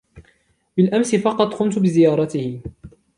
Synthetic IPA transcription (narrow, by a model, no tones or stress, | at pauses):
bɪlʔamsɪfɑqɑt̪ˤqʊmt̪bɪzɪjɑːɾˤɑt̪ɪhɪ